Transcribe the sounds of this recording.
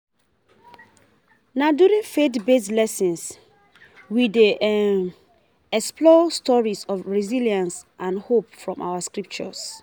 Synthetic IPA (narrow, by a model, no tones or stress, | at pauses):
naduɾĩŋfetbeslɛsĩns | wideʔ | ɛksplɔstɔɹisɔfɹiziliãnsʔãnhop̚fɹɔ̃mʔa̰askɹip̚t͡ʃɔ̰s